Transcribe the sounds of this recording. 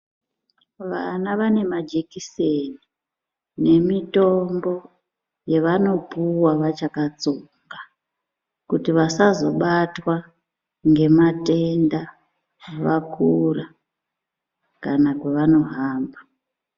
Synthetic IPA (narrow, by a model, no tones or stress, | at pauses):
ʋanaʋane̞mad͡ʒekiseni | ne̞mitombo̞ | je̞ʋano̞puwaʋat͡ʃakat͡soŋɡa | kutiʋasazo̞ɓatwa | ŋɡe̞mate̞nda | ʋakʰura | kanakweʋano̞ɦaːmba